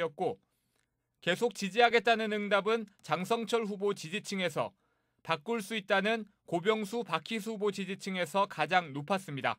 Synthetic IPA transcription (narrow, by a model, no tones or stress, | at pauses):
ʌt̚k͈o | ke̞sʰok̚t͡ɕid͡ʑiɦaɡe̞t̚t͈anɯnɯŋdabɯnt͡ɕaŋsʰʌŋt͡ɕʰʌɭɸubot͡ɕid͡ʑit͡ɕʰɯŋe̞sʰʌ̰ | pak͈̚uɭs͈uit̚t͈anɯn | kobjʌŋsʰupakʰis̬ʰuubot͡ɕid͡ʑit͡ɕʰɯŋe̞sʰʌkad͡ʑaŋnopʰas͈ɯmɲida̰